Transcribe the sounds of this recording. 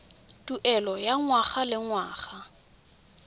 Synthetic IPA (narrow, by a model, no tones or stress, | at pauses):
tʼuʔɛlɔjaŋwaχalɪŋwaːχa